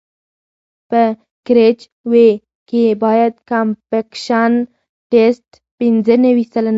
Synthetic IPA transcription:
pə | kɾet͡ʃ | we | kebɑjad̪̚kampekʃan | ʈesʈ | pinzənəwisalan

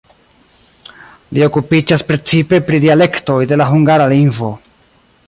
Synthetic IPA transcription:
lio̞kupid͡ʒaspɾe̞t͡sipe̞pɾidiale̞kto̞jde̞laɦuŋɡaɾaliŋvo̞

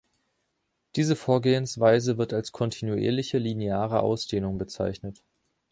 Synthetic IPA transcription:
d̥iːzəfoːɐɡeːənsv̥aɪzəvɪɐtalskʰɔntʰinuʔḛːɐlɪçəlineaːʁ̞əʔa̰ʊsd̥eːnʊŋbət͡sa̰ɪçnət

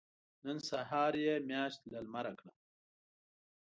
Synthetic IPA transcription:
nənsaɦaːɾjemjɑːʃt̪lɐlmaɾakɽa

